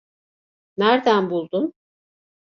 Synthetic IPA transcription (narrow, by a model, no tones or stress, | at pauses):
næɾd̪ænbulˠd̪un